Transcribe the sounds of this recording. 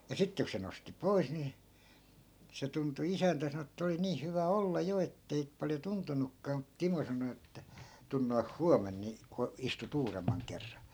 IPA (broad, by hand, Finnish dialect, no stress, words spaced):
jɑ sitːe ku se nosti pois ni se tuntu isæntæ sɑno etːæ̆ oli niːh hyʋæ olːɑ jo etːei pɑljo tuntunukːɑː mut timo sɑno etːæ tun noih huɑmen ni ko istut uːremːɑŋ kerːɑn̞